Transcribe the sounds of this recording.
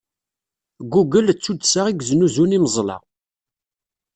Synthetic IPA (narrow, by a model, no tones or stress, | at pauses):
ɡuɡəlt͡sːud̪saʁiɡznuzuniməzˤlɑ̰